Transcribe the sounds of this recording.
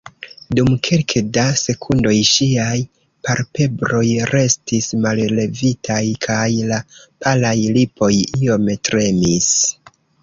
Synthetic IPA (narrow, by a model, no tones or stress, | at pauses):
dumkʰe̞lkʰedase̞kʰundo̞jʃiaj | paɾpe̞bɾo̞jɾe̞stismalle̞vitʰajkʰajlapʰalajlipo̞jio̞mtɾe̞mis